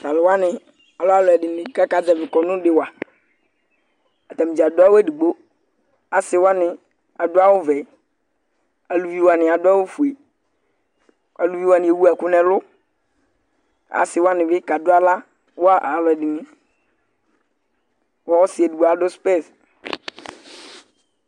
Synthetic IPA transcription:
ka˨lʊ˨wa˦nɪ̃˨ | a˨lo˦a˦˨lɛ˨ɖɪ˨nɪ̃˨ka˦ka˨d̪a˨vɪ˨kɔ˨nʊ̃˦ɖɪ˨wa˨ | a˨t̪a˨mĩ˨d͡ʒa˨dʊ˦a˦wo˦e˦di˨ɡ͡bo˦ | a˨sɪ˨˦wa˦nɪ̃˨ | a˨dʊ˦a˦wo˦vɛ˨˦ | a˨lu˨vi˦wo˦a˨nɪ̃˨a˨dʊ˦a˦wo˦fu˨e˨ | a˨lu˨vi˦wo˦a˨nɪ̃˨je˨wu˦a˨kʊ˦nɛ̃˨lʊ˦ | a̰˨sɪ˨wo˦a˦nɪ̃˨be˦ka˨do˦a˦la˦ | wo˦a˦ʔa˨vɛ˨ɖɪ˨nĩ˨ | wa˨wo˦si˨e˨du˨ɡ͡bo˦a˨ɖʊ˦spe˦˨s

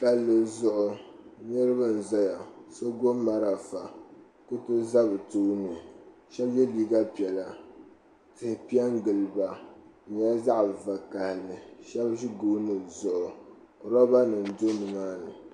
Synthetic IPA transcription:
ka˨llɨ˨zʊ˦˨ʔʊ˨ɲɨ˦ɾɨ˦ba˦n̩˨za˦ja˨so˦ɡo˦ma˦ɾa˨fa˨ | kʊ˦tɨ˦za˦bɨ˨tuː˦nɨ˨ | ʃɛ˦bjɛ˦liː˦ɡa˦pi˨ɛ˨la˨ | tɨ˨hɪ˨pi˦ɛ˦ŋɡɨ˨lba˨ɲ˦a˦za˦ʔva˨ka˨hɪ˨lɨ˨ʃɛ˦bʒi˦ɡoː˦nɨ˨zʊ˨ʔʊ˨ | ɾɔ˦ba˦nɨ˨n̩˨do˦nɨ˨maː˦nɨ˨

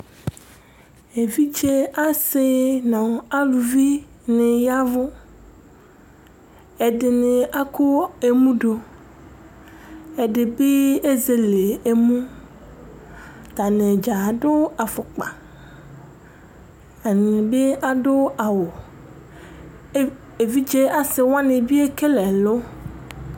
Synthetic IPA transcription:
e˨vi˦t͡ʃe˦a˦se˦nã˨a˦lu˨vi˦ | nẽ˨ja˦vʊ˦ | e˨ɖe˨nẽ˨ʔa˦ko˦e˨mũ˦ɖo˨ | e˨ɖe˨be˦e˦ze˨le˨e˨mũ˦ | t̪a˨nẽ˨d͡ʒa˨ɖʊ˦a˨fʊ˨k͡pa̰˨ | a˨nĩ˨be˦a˨ɖʊ˦a˨wo˨˦ | e˨vi˦d͡ʒe˦a˨sɪ˨wa˦nẽ˨bi˦e˦ke˦lɛ˨lo˦

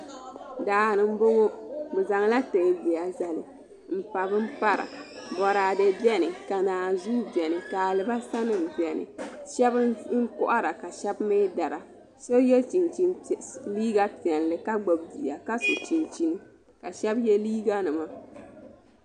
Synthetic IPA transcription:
daː˨nɨ˦m̩˦bo˦ŋo˦bɨ˨za˨ŋla˦te˨bɛ˨a˨za˨lɨ̰˨ | m̩˦pa˨bɨ˦m̩˦pa˦ɾa̰˨bɔ˨ɾaː˨dɨ˨bɛ˦nɨ˨ka˨naː˨zu˦bɛ˨nɨ˨ka˨lɨ˨ba˦sa˦nɨ˦m˨bjɛ˨nɨ̰˨ʃɛ˦bɨ˦ŋ̩˦kʊ˦ʔa˦ɾa˨ka˨ʃɛ˦bme˦da˨ɾa˨ | so˦jɛ˦lt͡ʃi˨nt͡ʃi˦n˨liː˦ɡa˦pɛ˨n˨lɨ˨ka˦ɡ͡bo˨bdi˨a˨ka˦so˨t͡ʃi˨nt͡ʃi˦nɨ˦ | ka˨ʃɛ˦bjɛ˦liː˦ɡa˦nɨ˨ma˦

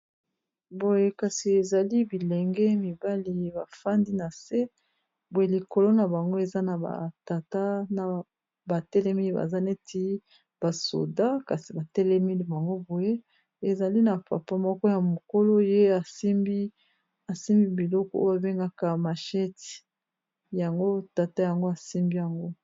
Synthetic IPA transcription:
bo˨je˦ka˨si˨e˨za˨li˦bi˨lɛ˨ŋɡɛ˦mi˨ba˦li˨ba̰˨fa˦ndi˦na˨se˦ | bo˨je˨li˨ko˨lo˦na˨ba˨ŋɡo˦e˨za˦na˨ba̰˨ta˨ta˦na˨ | ba˨tɛ˦lɛ˦mi˦i˦ba̰˨za˦ne˦tʰi˦ | b̥a˨so̰˨da˦ka˨si˨ba˨tɛ˦lɛ˦mi˦li˦ba˨ŋɡo˦bo˨je˦ | e˨za˨li˦na˨pa̰˨pa˦mɔ˦kɔ˦ja˨mo˨ko˦lo˦je˦a˨si˦mbi˦ | a˨si˦mbi˦bi˨lɔ˦kɔ˦o˦jo˦a˨be˦ŋɡa˦ka˦ma˨ʃɛ˦ti̥˨ | ja˨ŋɡo˦ta˨ta˦ja˨ŋɡo˦a˨si˦mbi˦ja˨ŋɡo˦

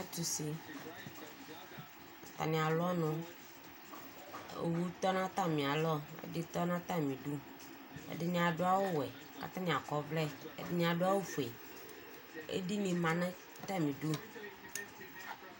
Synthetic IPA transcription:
a˦t̪u˨si˨ | t̪a̰˨nĩ˨a˨lɔ˦nõ˦ | ḛ˨wu˦t̪ɔ˦nã˦t̪a˦˨mĩ˨a˨lɔ˦ḛ˦di˦t̪ɔ˦nã˦t̪a˦˨mĩ˨ɖu˦ | ḛ˦ɖɪ˨ɲĩ˨a˨ɖo˦a˦wo˦wɛ˨ | ka̰˨t̪ã˦nĩ˨a˨kɔ˦vlɛ˦ḛ˦dɪ˨ɲĩ˦a˨ɖʊ˦a˦wo˦fu˨e˨ | ḛ˦di˦nĩ˨mã˨nã˦ | t̪a˦˨mĩ˨ɖu˦

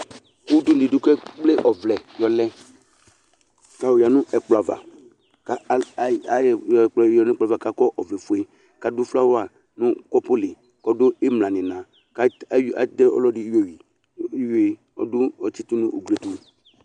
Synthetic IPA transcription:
wu˦du˦li˨du˦kɛ˦k͡ple˦ʔɔ˨vlɛ˨jɔ˨lɛ˦ | ka˨wo˨ja˨nʊ̃˦ʔɛ˨k͡pla˨va̰˨ | ka˨˦˨k͡pɔ˨ɔ˨n˦k͡pa˨va˨ka˨kɔ˦ʔɔ˨vlɛ˨fu˨e˦ | ka˨dʊ˦fla˦wa˨ | nʊ̃˦kɔ˦pʊ˦lɪ˨ | kɔ˦dʊ˦ɪ˦mlã˨nɪ˨nã˨ | ka˨˦a̰˨dɛ˦ɔ̰˦lɔ˦dɪ˦jo˨wi˨˦ | jo˨e˨ | ɔ̰˨dʊ˦ɔ˨t͡ʃi˦tu˦nũ˦ʔo˨ɡle˨tu˨

